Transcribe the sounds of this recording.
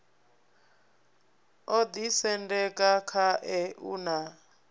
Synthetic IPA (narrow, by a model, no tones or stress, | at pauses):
od̪isɛndɛkʼakʰaʔɛuna